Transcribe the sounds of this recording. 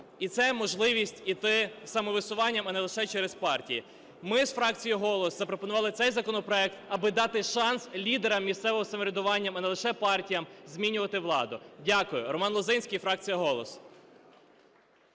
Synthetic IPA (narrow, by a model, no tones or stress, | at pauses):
it̪sɛmɔʒlˠɪʋʲisʲtʲit̪ɪsɐmɔʋɪsʊʋɑnʲːɐmɐnɛlˠɪʃɛt͡ʃɛɾespɑrtʲiji | mɪsfɾɑk̚t͡sʲijiɦɔlˠɔszɐpɾɔpɔnʊʋɑlˠɪtsɛjzɐkɔnɔpɾɔɛkt̪ɐbɪd̪ɑt̪ɪʃɑnslʲid̪eɾɐmːʲist̪sɛʋɪmɔsɐmɔɾʲed̪ʊʋɑnʲːɐmɐnelˠɪʃɛpɑrtʲijɐmzʲmʲinʲʊʋɐt̪ɪʋlˠɑd̪ʊdʲakʊjʊɾɔmɑnlˠɔzɪnʲsʲkijfɾɑk̚t͡sʲijɐɦɔlˠɔs